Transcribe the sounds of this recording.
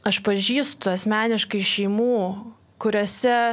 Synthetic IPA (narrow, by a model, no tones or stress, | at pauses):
ɐʃpɐʒʲiːst̪ʊɐsʲmʲæːnʲɪʃkɐɪʃʲɛɪmuː | kʊɾʲoːsʲɛ